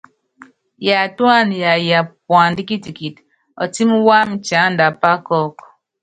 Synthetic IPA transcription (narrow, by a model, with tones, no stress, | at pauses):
ja˨twa˦˨nja˨ja˨pwa˨n˨˦di˦ki˦ti˨ki˨t | ɔ̰˨ti˦m˦wa˦m̩˦t͡ʃa˨˦n̩˦da˨pa˦kɔ˦k